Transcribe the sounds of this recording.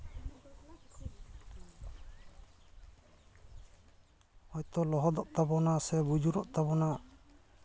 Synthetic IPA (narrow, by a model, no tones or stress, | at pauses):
ɔjt̪ɔlɔɦɔd̪ɔʔt̪abɔnasɛbud͡ʒuɾɔʔt̪aβɔna